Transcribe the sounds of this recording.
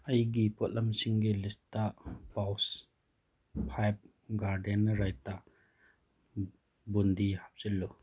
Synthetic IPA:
ɐjɡipɔt̚lʔɐmsiŋɡilistapaws | pʰajp̚ | ɡaɾdenːɐɾajta | bundihap̚zilːu

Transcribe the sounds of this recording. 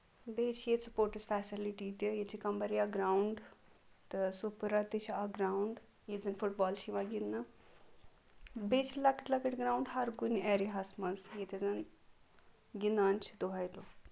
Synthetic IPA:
beːt͡ʃʰjet̪supoːɾʈisfɛːsiliʈiːt̪ijet͡ʃʰikɐmbɐɾijaɡɾaːuɳɖt̪ɨsupɾat̪it͡ʃʰaɡɾaːwɳɖ | jezɐnfuʈbɔːlt͡ʃʰiʋãɡinːɐ | beːt͡ʃʰlɐkiʈlɐkiʈɡɾaːwuɳɖɦɐɾɡunɛːɾiɦɐsmɐnsjet̪ʰʲizɐn | ɡinaːnt͡ʃʰi̥d̪oɦɐjloː

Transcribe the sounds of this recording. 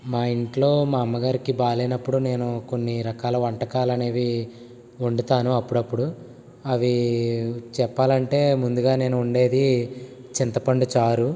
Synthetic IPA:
maːiɳʈlo̞ːmaːmːɐɡaːɾikibaːlɐjnɐpːuɽune̞ːnuko̞nːiɾɐkaːlɐʋɐɳʈɐkaːlɐne̞ːʋi | uɳɖɐt̪aːnuɐpːuɽɐpːuɽu | ɐʋi | t͡ʃɛpːaːlɐɳʈe̞ːmund̪uɡaːne̞ːnuːɳɖe̞ːd̪it͡ʃint̪ɐpɐɳɖut͡ʃaːɾu

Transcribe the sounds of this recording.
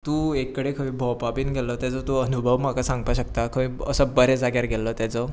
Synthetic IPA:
t̪ũːekːəɽekʰəʋĩbʱɔwpapiːnɡʱɛlət̪jad͡zət̪oənubʱəʋmakasãŋɡ̚paɕək̚t̪akʰəʋĩəsəbəɾɛd͡zaɡjaɾɡɛlət̪jat͡sə

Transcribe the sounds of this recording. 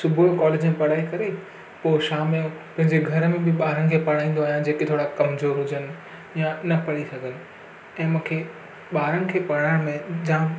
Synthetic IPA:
sʊbʱukɔːleːd͡ʑmẽpɐɽ̤aːikɐɾe | poːʃaːmẽpɐ̃ɦɪ̃ɲd͡ʑeɡʱɐɾmẽbɪɓaːɾəɽɪ̆kʰeːpɐɽ̤aːĩːn̆d̪oaːɦjãd͡ʑeːket̪ʰoːɽakɐmzoːɾɦʊd͡ʑənɪ̆ | janɐpɐɽisɐɡʱənɪ̆ | ɛ̃ːmũːkʰe | ɓaːɾəɽ̃ɪ̆kʰeːpɐɽ̤aːɪɽ̃mẽd͡ʑãː

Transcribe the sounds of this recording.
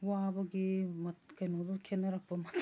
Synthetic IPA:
wabɐɡimɐtkɐjnod̪ukʰenːɐɾɐk̚pɐmɐt̪ʰ

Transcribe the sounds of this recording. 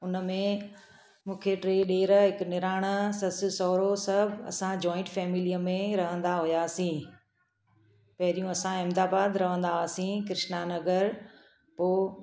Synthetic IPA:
ʊnəmẽ | mũːkʰeʈɾeːɗeːɾɦɪknɪɾaːɽ̃əsɐsɪsɔːɾosɐbʱɐ̰sãd͡ʑɔːɪ̃ɳʈfɛːmɪlijəmẽɾɐɦə̃nd̪aɦʊjaːsĩː | pɐɦɪɾijũɐsãɪmd̪aːbaːd̪ɾɐʋ̤ə̃nd̪aːsĩkɪɾɪʃnanɐɡəɾ | poː

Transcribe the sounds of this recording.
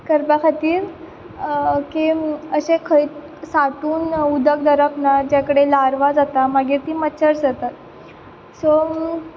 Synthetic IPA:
kəɾpakʰat̪iːɾ | kiəɕẽkʰəjt̪ | saʈuːnud̪ək̚d̪əɾəpnaɾd͡ʑjakəɽelaɾʋad͡zat̪amaɡit̪iːmət͡ɕʰəɾd͡zat̪at̪̚ | sɔ

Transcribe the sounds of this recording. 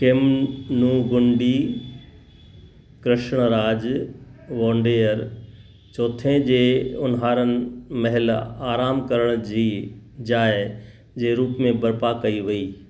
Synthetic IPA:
kemnuːɡʊ̃ɳɖi | kɾɪʃɽ̃ɾaːd͡ʑ | ʋõːɳɖeːəɾ | t͡ɕoːt̪ʰẽd͡ʑeːʊnɦaːɾənɪ̆mɐɦɪlaːɾaːmkɐɾəɽ̃d͡ʑiːd͡ʑaːɪ | d͡ʑeːɾuːpmẽbɐɾpakɐiʋɐiː

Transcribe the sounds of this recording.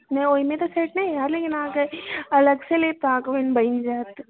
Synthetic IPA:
nɐ̃oːimẽt̪oseːʈnɐĩjaːɾleːkɪnãːkeɐləɡselet̪aːkʋənbɐind͡ʒaːt̪

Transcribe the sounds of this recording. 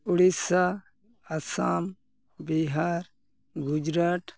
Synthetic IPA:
uɽisa | asaːm | biɦaɾ | ɡud͡ʒɾaːʈ

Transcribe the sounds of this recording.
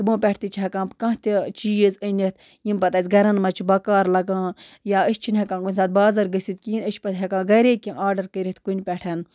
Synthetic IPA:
t̪bõːpʲɛʈʰt̪it͡ʃʰɦɐkãːpkɐ̃ɦt̪it͡ʃiːzənʲit̪ʰ | jimpɐt̪ɐːsʲɡɐɾɐnmɐt͡ʃʰbɐkaːɾlɐɡãːjaːəʃt͡ʃʰinɦɐkãːkunʲsaːt̪̚baːzɐɾɡɨsit̪kiːnəʃpɐt̪ʰɦɐkãːɡɐɾeːkʲĩʔaːɾɖɐɾkəɾʲit̪kunʲpʲɛʈʰɐn

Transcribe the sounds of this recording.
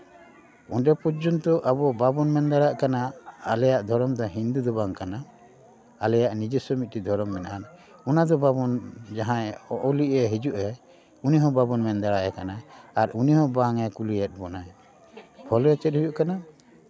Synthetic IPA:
ɔnɖɛpɔd͡ʒɔnt̪ɔʔabɔbabɔnmɛnd̪aɽaʔkanaalɛjaʔd̪ʱɔɾɔmd̪ɔɦind̪ud̪ɔbaŋkana | alɛjaʔnid͡ʒɛsɔmit̪̚ˀʈid̪ʱɔɾɔmːɛnaʔan | unad̪ɔbabɔnd͡ʒaɦãɔʔɔliʔɛɦid͡ʒuʔɛ | uniɦɔ̃babɔnmɛnd̪aɾaʔɛkanaaɾuniɦɔ̃baŋɛkulijɛt̪̚ˀbɔnaj | bʱɔlɛt͡ʃɛt̪̚hujuʔkana

